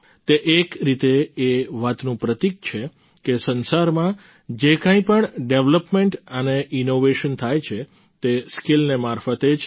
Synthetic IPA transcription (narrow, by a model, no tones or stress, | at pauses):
t̪eʔekɾit̪eːʋat̪nũpɾət̪ik̚t͡ʃʰe | kesənsaɾmã | d͡ʒekãĩpəɳɖeʋləpmeɳʈəneʔinoʋeʃənt̪ʰajt͡ʃʰe | t̪eskilnemaɾfət̪ed͡ʒ